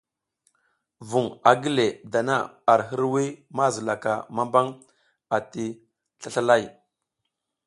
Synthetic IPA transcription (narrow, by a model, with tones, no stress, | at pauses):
vu˨ŋa˨ɡi˦le˨da˨na˦a˨ɾɦə˦ɾwi˦ma˦zə˨la˨ka˨ma˦mba˦ŋ | a˨ti˦ | ɬa˦ɬa˦la˦˨j